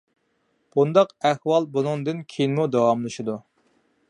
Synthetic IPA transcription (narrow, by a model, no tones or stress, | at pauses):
b̥und̪ɑqæhwɑlˠbunɨŋd̪ɨnkʲʰejnɪmud̪ɑwɑmlˠɨʃid̪u